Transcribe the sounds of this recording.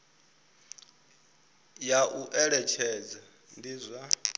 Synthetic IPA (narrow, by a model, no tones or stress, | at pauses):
jaʔuʔɛɺɛt͡ʃʰɛd͡za | ndiːzʷa